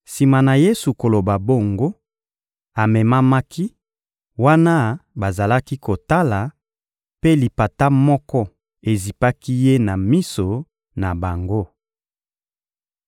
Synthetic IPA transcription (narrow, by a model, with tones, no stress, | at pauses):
si˨ma˨na˨je˦su˨ko˨lo˨ba˨bo˦˨ŋɡo˦ | a˨mɛ˨ma˦ma˦ki˦ | wa˦na˦ba˨za˨la˦ki˦ko˨ta˦la˨ | pe˦li˨pa˨ta˦mɔ˦kɔ˦ | e˨zi˨pa˦ki˦je˦na˨mi˦so˨ | na˨ba˨ŋɡo˦